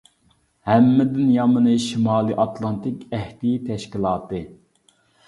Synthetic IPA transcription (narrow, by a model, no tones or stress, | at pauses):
hɛmːɪd̪ɪnjɑmɨnɨʃimɑːlˠɨʔɑt̪ʰlˠɑnt̪ɪkʲɛht̪ijit̪ʰɛʃkʲilˠɑːt̪ɨ